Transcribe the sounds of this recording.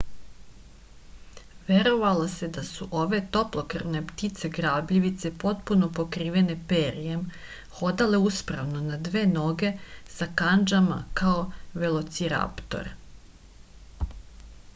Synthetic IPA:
ʋeɾo̞ʋalˠose̞d̪asuʔo̞ʋe̞t̪o̞plˠokrnept̪it̪se̞ɡɾaːbʎiʋit̪se̞po̞t̪puno̞po̞kɾiːʋe̞ne̞peːɾijem | xo̞d̪ale̞uspɾa̰ʋno̞nad̪ʋeːno̞ɡe̞sakand͡ʒama̰kaoʋe̞lˠo̞t̪siɾa̰pt̪o̞̰ɾ

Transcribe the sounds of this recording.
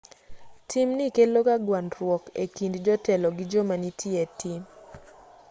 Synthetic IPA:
tʰimnikelokaɡwandɾwɔkḛkindd͡ʒɔtɛlɔɡid͡ʒomanitʰietʰim

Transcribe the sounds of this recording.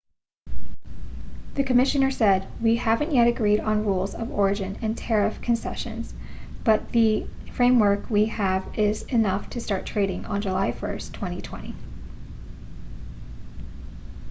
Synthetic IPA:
ðɨkʰɨmɪʃɨ̃nə˞sɛd̚wihævɨ̃nʔjɛɾɨɡɹiɾn̩ɹulˠzʌvɔɹɨd͡ʒɨ̃nɨ̃ntʰɛɹɨfkʰɨ̃nsɛʃɨ̰̃nz̥ | b̥ʌt̪̚ðɨfɹẽɪ̃mwɜ˞kʰwiɨvɪzɨnʌftʰɨstɑɹtʰɹ̥eɪɾɪ̃ŋʔə̰̃nd͡ʒəlaɪfɜ̰˞stʰw̥ɛ̃ɾ̃itʰw̥ɛ̰̃ɾ̃ḭ

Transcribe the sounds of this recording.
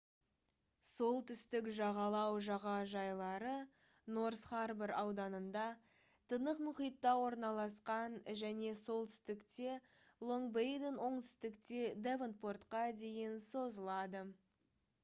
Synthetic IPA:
so̞lˠt̪ʰʏst̪ɪkʒɑʁɑlˠɑwʒɑʁɑʒɑjlˠɑɾə | no̞ɾsχɑrbeɾɑwd̪ɑnənd̪ɑ | t̪ʰənəqmʊχijt̪ːɑwo̞ɾnɑlˠɑsqɑnʒæne̞so̞lˠt̪ʰʏ̥st̪ɪkt̪e̞ | lˠo̞ŋbejd̪enwo̞ɴt̪ʰʏ̥st̪ɪkt̪e̞d̪evənt̪̚po̞rt̪qɑd̪e̞jɪnso̞zəlˠɑd̪ə

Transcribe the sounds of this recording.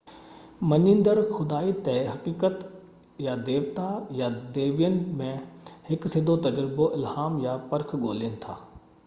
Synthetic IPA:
mɐɲĩnd̪əɾxʊd̪aːit̪ɛɦɐkiːkət̪ | jad̪eːʋt̪ajad̪eːʋijənɪ̆mẽhɪksɪd̪ʱot̪ɐd͡ʑɾɪboʔɪlhaːmjapɐɾkʰɡoːliənɪ̆t̪ʰa̰ː

